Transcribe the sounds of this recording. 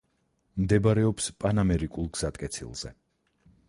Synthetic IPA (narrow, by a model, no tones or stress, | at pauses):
md̪ɛbaɾɛɔpspʼanamɛɾikʼulˠɡz̥at̪ʼkʼɛt̪sʰḭlˠz̥ɛ̰